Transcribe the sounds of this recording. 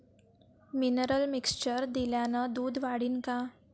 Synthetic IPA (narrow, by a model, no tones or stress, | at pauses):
minəɾəlmikst͡ɕəɾd̪iljanad̪uːd̪ʋaɽiːnka